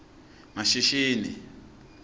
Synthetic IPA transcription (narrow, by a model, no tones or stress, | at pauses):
maʃiʃiːnḭ